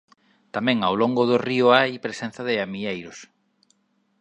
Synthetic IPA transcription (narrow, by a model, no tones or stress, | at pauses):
t̪amɛ̃ŋawlɔŋɡʊðʊriʊajpɾesen̟θaðɪamiejɾʊs